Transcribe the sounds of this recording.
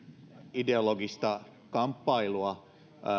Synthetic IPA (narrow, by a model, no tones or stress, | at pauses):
ideoloɡist̪ɑ | kɑmpːɑiluɑ